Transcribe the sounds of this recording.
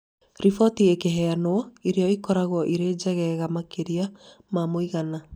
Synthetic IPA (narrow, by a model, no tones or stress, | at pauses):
ɾifɔtiekeɦɛanoɔiɾeɔikɔɾaɣwɔʔiɾeːd͡ʒɛɣɛɣamakeɾia | mamoiɣana